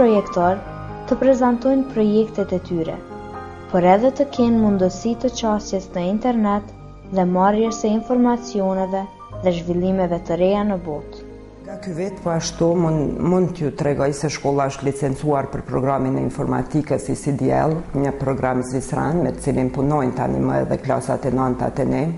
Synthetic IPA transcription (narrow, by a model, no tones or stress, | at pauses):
ɔjɛkt̪ɔɾ | t̪əpɾɛzant̪ɔjnpɾɔjɛkt̪ɛt̪ɛt̪yɾɛ̰ | pɔɾɛðɛt̪əkʰɛnmund̪əsit̪ət͡ʃastɛsnəint̪ɛɾnɛt̪ | ðɛmarjɛsəinfɔɾmat͡sijɔnɛvɛ | ðɛʒvilˠimɛvɛt̪əɾɛjanəbɔt̪ | ŋɡakyvit̪pɔaʃt̪umund̪t̪əjut̪ɾɛɡɔjsɛʃkɔlˠaəʃt̪lit͡sɛnt͡suaɾpəɾpɾɔɡɾaminɛinfɔɾma̰t̪ikəsisid̪iɛ̰lˠɲəpɾɔɡɾamzisɾa̰nmɛt̪ə̥t͡silinpunɔjnt̪əa̰nḭməɛ̰ðɛkla̰sa̰t̪ɛnant̪a̰t̪ɛnɛ